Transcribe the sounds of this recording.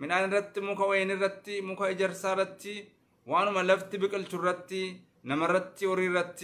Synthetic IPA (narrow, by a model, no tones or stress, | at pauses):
mɪnaːnɪrːɐt̪ːɪmʊkɐwɔjɛnɪrːɐt̪ːɪmʊkɐɪd͡ʒɛɾsaːrɐt̪ːɪ | waːnʊmɐlɐft̪ɪbɪkʼɪlt͡ʃʊrːɐt̪ːɪ | nɐmɐrːɐt̪ːɪɔɾiːrːɐt̪ːɪ̥